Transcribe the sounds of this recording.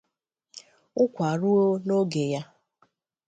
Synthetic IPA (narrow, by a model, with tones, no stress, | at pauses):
ʊ˦kʷa˨ɾu˦o˦no˦ɡe˨ja˦